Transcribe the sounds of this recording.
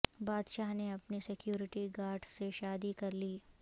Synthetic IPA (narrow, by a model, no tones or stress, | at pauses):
baːd̪ʃaːɦneɐpnisɪkjuːɾɪʈiɡaːɾʈseʃaːd̪ikɐɾliː